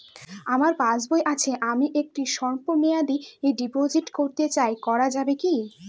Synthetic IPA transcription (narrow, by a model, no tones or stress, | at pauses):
amaɾpad͡ʑbojʔat͡ɕʰeʔamiʔek̚ʈiʃɔɾponejad̪ieɖipod͡ʑiʈkoɾt̪et͡ɕaekɔɾad͡ʑabeki